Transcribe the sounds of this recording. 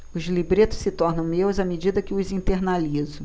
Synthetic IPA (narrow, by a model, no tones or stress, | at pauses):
ʊzlibɾet̪ʊ̥sɪt̪ɔɾnɐ̃w̃mewzɐmed͡ʒid̪ɐkɪʊzĩnt̪eɾnalizʊ